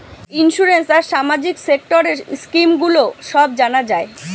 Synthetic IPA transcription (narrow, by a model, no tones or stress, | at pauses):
inʃuɾensaɾʃamad͡ʑiksek̚ʈoɾeɾskimɡuloʃɔb̚d͡ʑanad͡ʑae